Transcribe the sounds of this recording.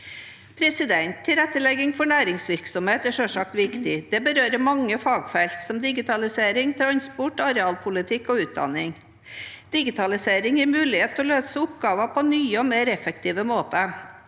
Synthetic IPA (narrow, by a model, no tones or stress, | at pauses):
pʰɾɛsɪd̪ɛnt̪ʰːɪlɛt̪ːəlɛɡɪŋfɔɳæːɾɪŋsʋɪɾksɔmheːt̪æʂœsɑk̚t̪ʋɪkt̪ɪd̪̥ɛbəɾøːɾəmɑŋːəfɑːɡfɛlt̪sɔmd̪ɪɡɪt̪ʰɑlɪseːɾɪŋt̪ʰɾɑnspʊʈːɑɾɛɑːlpʰʊlɪt̪ʰɪkːɔʉːt̪̚d̪ɑ̰nːɪŋ | d̪̥ɪɡɪt̪ʰɑlɪseːɾɪŋjæɾmʉːlɪheːt̪ʰːɔːløːsəʊp̚ɡɑːʋəpʰɔnyːəɔmeːɾɛfəkt̪ʰiːʋəmoːt̪ə